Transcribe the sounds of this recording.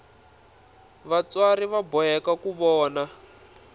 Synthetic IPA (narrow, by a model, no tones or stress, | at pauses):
βat͡swaɾiβabɔjɛkakuβɔːna